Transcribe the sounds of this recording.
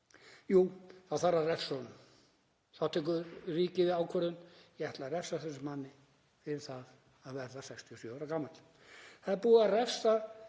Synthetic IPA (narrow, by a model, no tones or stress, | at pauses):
juːθaðθaɾːarɛfsɔnʏ | θawt̪ʰɛk̬ʏɾriːcɪvɪðaːwkʰvɛɾðʏnjɛɛht̪larɛfsaθɛs̬ʏmanːɪ | fɪɾɪ̥θað | aðvɛɾðasɛkst̪ʰiɔsjœːɾakaːmal | θaðɪɾpuːarɛfsa